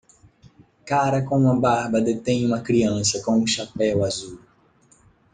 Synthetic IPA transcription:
kaɾɐkõũmɐbaɾbɐd̪et̪ẽj̃ũmɐkɾiɐ̃sɐkõũʃapɛwazu

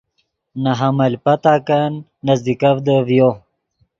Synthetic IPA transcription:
naɦamɐlʲpat̪akanː | azd̪ikavd̪əvjo

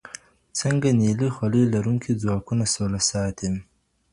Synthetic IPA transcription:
t͡səŋɡanelixwalelaɾuŋkʰid͡zwɑːkunasolasɑːt̪ʰem

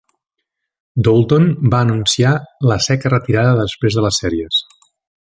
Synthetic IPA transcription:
d̪olˠt̪onbaːnunsialəsɛkərət̪iɾaðəðəspɾezðələsːɛɾiəs

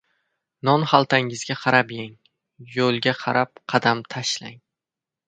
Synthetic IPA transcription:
nɒnhalˠt̪ʰaŋɪzɡʲaqʰɑɾapjaŋ | jolˠɡʲaqʰɑɾʔap̚qʰɑd̪amt̪ʰaʃlaŋ

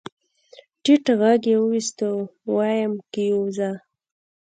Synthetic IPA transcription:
ʈiʈaɣaɡjewəwist̪əwɑjamkəjowza

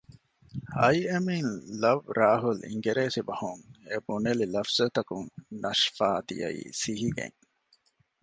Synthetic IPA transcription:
ɐjɐminlɐʋɾaːɦulḭŋɡeɾeːsibɐhuŋebunelilɐfz̥ɐt̪ɐkuŋnɐʃfaːd̪ḭjɐ̰ḭːsiɦiɡḛŋ

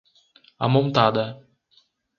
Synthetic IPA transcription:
a̰mõnt̪ad̪ɐ

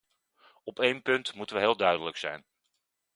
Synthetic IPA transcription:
ɔpejnpɵntmutənʋəɦɪːlˠdœɥdələksɛ̰jn

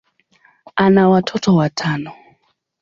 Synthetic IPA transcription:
anawatʰɔtʰowatʰaːno

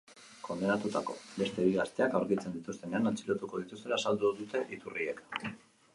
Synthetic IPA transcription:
ko̞nd̪enat̪ut̪ako̞̰βe̞st̪e̞βiɣast̪e̞akawɾkit͡send̪it̪ust̪e̞ne̞anant͡siɾot̪uko̞ðit̪ust̪e̞lasald̪uðut̪e̞ʔit̪urie̞k

